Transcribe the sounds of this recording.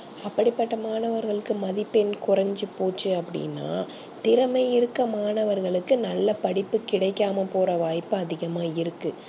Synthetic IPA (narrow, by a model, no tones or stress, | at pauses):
ɐpːɐɽɪpːɐʈːɐmaːnɐʋɐɾɣɐɭɯkːɯmɐðɪpːɛnkʊrɐɲd͡ʒipoːt͡ʃːɯɐpːɐɽɪ̰nːa̰ː | t̪ɪɾɐmɐɪɪɾɯkːɐmaːnɐʋɐɾɣɐɭɯkːɯnɐlːɐpɐɽɪpːɯkɪɽɐɪkːaːmɐpoːrɐʋaːjpːɯɐðɪɣɐmaːɪɾɯkːɯ